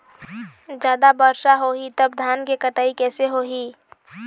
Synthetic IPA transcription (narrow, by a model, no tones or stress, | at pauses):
d͡ʒjaːd̪abəɾʃaɦoɦit̪ɐbd̪ʱaːnkekəʈaːikɛːseɦoːɦiː